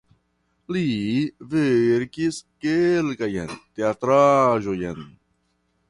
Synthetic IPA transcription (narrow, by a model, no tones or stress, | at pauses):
liveɾkiskelkajḛnt̪eat̪ɾaʒojen